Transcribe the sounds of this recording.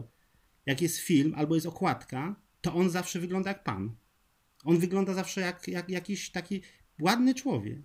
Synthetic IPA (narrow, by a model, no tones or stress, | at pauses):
jakjɛst̪fʲilmʔalbɔjɛst̪ɔkwat̪ka | t̪ɔʔɔnzafʂɛvɘɡlɔnd̪ajak̚pa̰n | ɔnvɘɡlɔnd̪azafʂɛjakjakjakʲiɕt̪akʲi | wad̪nɘt͡ʂwɔvʲjɛ̰k